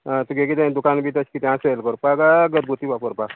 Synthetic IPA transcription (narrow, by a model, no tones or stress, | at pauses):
t̪uɡeɡit̪ẽd̪ʊkaːnbʱit̪ɐt͡ʃʰkit̪ãselkɔɾpaɡaɡət̪̚ɡut̪ibapoɾpa